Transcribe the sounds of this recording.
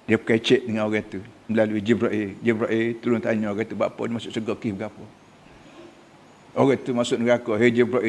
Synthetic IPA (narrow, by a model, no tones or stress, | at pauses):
diəpə̥kait͡ʃɛʔ̚dəŋanoɣɛt̪uməlaluid͡ʒibɾɔʔid͡ʒibɾɔʔit̪uɾʊnt̪aɲɔ̃oɣɛt̪uba̰ʔpɔ̰dimasʊʔsəɡɔkifɡapɔ | oɣɛt̪umasʊʔnəɡakɔɦed͡ʒibɾɔʔi